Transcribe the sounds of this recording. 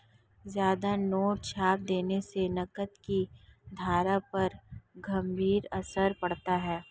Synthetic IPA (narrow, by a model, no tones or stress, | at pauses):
zjaːd̪anoːʈ̚t͡ʃʰaːp̚d̪eːnesenɐkət̪kid̪ʱaːɾapɐɾɡɐ̃mbʱiːɾɐsəɾpɐɽt̪aɦɛː